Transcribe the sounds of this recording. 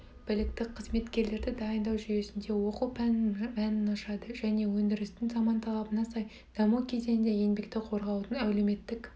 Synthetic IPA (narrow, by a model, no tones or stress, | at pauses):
b̥ɪlɪkt̪ɪqʰəzme̞t̪kʲe̞ɾle̞ɾd̪ɪd̪ɑjənd̪ɑwʒyje̞sɪnd̪e̞wo̞qupʰænpænɪnɑʃɑd̪əʒæne̞wɵnd̪ɪɾɪst̪ɪŋzɑmɑnt̪ʰɑlˠɑbənɑsɑj | d̪̥ɑmukʲʰe̞ze̞nnd̪eje̞nbe̞kt̪ɪqʰo̞ɾʁɑwd̪ənæwleme̞t̪ːɪk